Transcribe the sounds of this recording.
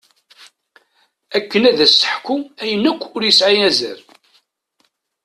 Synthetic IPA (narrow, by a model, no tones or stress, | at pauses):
ækːənæðæsːə̥ħkuæjənːækʷːʊɾjəsʕijæzæ̰ɾ